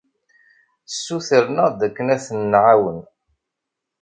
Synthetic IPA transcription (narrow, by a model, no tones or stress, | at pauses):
sːuθəɾnæd̪ækːənæθənːʕawən